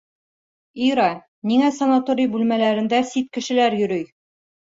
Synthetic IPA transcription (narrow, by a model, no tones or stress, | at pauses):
iɾɑ | niŋæsɐnat̪oɾʲijbʉlmælæɾɘ̆nd̪æsit̪̚kɘ̆ʃɘ̆læɾjɵ̆ɾɵj